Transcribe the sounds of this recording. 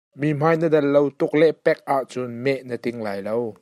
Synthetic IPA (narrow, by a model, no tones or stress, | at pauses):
miːm̥aːjnədɐlːowt̪ʊk̚lɛʔpɛk̚ʔaʔt͡sʊnmɛʔnət̪ɪŋlaːjlow